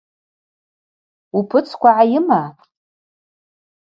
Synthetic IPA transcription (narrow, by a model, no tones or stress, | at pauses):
upʰɨt͡sʰkʷaʕajɪma